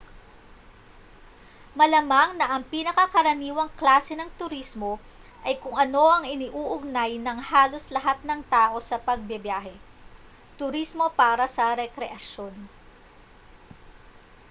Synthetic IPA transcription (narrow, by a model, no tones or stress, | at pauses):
mɐlɐmaŋnɐʔɐŋpinɐkɐkɐɾɐniːwɐŋklaːsɛnɐŋt̪ʊɾismo̞ | ʔɐjkʊŋʔɐno̞ʔɐŋʔɪniʔuːʔʊɡ̚najnɐŋhaːlo̞slɐɦat̪̚nɐŋt̪aːʔo̞sɐpɐɡ̚bjɪbjaːɦɛ | t̪ʊɾismo̞paːɾɐsɐɾɛkɾɛʔɐʃo̞n